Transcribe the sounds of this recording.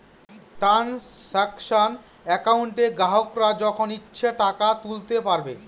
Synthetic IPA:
ʈɾansɛkʃan | ɛkawɳʈeɡaɦokɾad͡ʑɔkʰonitːɕʰeʈakat̪ult̪epaɾbe

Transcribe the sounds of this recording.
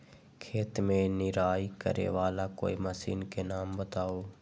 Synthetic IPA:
kʰeːt̪mẽnɪɾaːikə̰ɾḛʋaːlako̰ːiməsḭːnkenaːmbət̪aːoː

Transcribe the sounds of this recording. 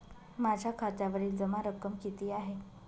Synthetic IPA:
mad͡ʑʱjakʰat̪aʋəɾiːld͡zəmaɾəkəmkit̪iːaɦe

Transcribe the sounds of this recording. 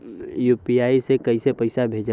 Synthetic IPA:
juːpiaːisekəisepəɪsabʱeːd͡ʒ

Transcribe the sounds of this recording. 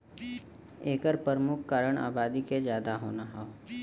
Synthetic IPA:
eːkəɾpəɾmʊkʰkaːɾəɽ̃a̰ːbaːd̪iked͡ʒjaːd̪aɦoːnaɦaoː

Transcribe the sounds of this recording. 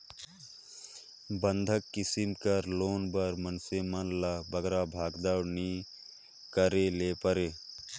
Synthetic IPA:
bənd̪ʱəkːɪsɪmkəɾloːnbəɾmənsemanlabəɡɾabʱaːɡd̪awni | kəɾeleːpəɾeː

